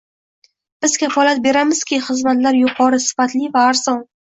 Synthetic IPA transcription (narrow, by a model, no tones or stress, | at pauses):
b̥ɪzkʲʰafɒlat̪̚be̞ɾamɪz̥kʲɪχɨzmat̪laɾjʊqʰɒɾɪsɪ̥fat̪lɪvaːɾz̥ɒn